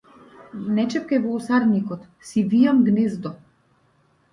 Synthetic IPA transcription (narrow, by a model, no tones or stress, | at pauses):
nɛt͡ʃɛp̚kajvɔusaɾnikɔt̪ | sivijamɡnɛzd̪ɔ